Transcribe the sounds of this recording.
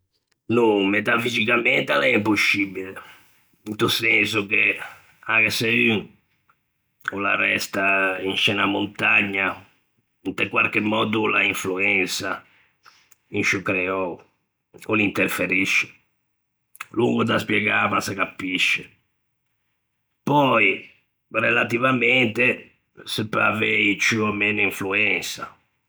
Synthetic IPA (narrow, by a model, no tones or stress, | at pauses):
numet̪afizikamɛnt̪alɛimpusːibile | int̪usɛnsuke | aɣesey | olarɛst̪ainʃɛnamont̪aɲːa | int̪ekwaɾkemːɔːd̪ulaiɱfluɛnsa | inʃukɾɛɔ | olint̪eɾfeɾiʃːe̥ | luŋɡod̪aspjɛɡaːvasekapːiʃːe | pɔi | relat̪ivamɛnt̪e | sɛpːa̰veit͡ʃuɔmeːnʊiɱfluɛnsa